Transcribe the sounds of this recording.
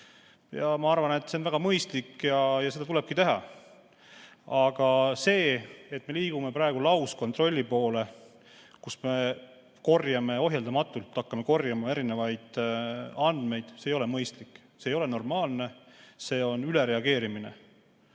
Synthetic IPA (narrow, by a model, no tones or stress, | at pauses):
jɑmɑɑrvɑne̞t̪ːse̞onvæɡ̥ɑmɤjst̪likːjɑjɑse̞d̪ɑt̪ule̞b̥̚kit̪e̞ɦɑ̰ | ɑɡ̥ɑse̞ːet̪ːˑme̞liːɡ̥ume̞pɾɑeɡ̥ulɑwsko̞nt̪ro̞lʲːipo̞ːle̞ | kusme̞ | ko̞rjɑme̞o̞ɦjeld̪ɑmɑt̪ːˑult̪ˑːɑkːɑme̞ko̞rjɑmɑe̞ɾinevɑjd̪̥ | ɑnd̪̥me̞jd̪̥sejo̞lemɤjst̪likːˑ | seːjo̞le̞no̞rmɑːlne̞se̞ːo̞nyleɾe̞ɑɡ̥e̞ːɾimine̞̰